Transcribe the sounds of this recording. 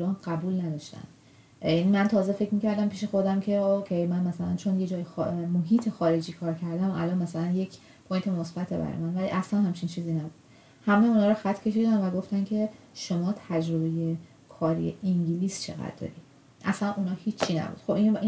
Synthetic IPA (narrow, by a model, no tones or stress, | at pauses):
ɾɒːnɢæbuːlnæd̪ɒʃt̪æ̰nd̪ | jnimænt̪ʰɒːze̞fe̞cmiːcæɾd̪æmpiːʃe̞xo̞d̪æmcʰe̞okʰejmænmæsælæ̰nt͡ʃʰo̞nje̞d͡ʒɒːjexmoɦiːt̪ʰexɒːɾe̞d͡ʒiːkʰɒːɾcʰæɾd̪æmʔæ̰lɒnmæsælænje̞cʰ | pʰojnt̪ʰe̞mosb̥æt̪ʰebæ̰ɾ̰j̰mænvælḭʔæslænhæmt͡ʃʰint͡ʃʰiːziːnæbud̪̥ | hæmeunɒːɾɔxæt̪ʰːcʰe̞ʃid̪ænvæɡo̞ft̪æncʰe̞ | ʃo̞mɒːt̪ʰæd͡ʒɾo̞be̞je̞ | kʰɒːɾḭjḛʔiŋɟiliːst͡ʃʰeɣæ̰d̪̚d̪ɒ̰ːɾḭd̪̥ | ʔæ̰slænʔunɒːhiːt͡ʃʰːinæ̰bṵːd̪̥xobin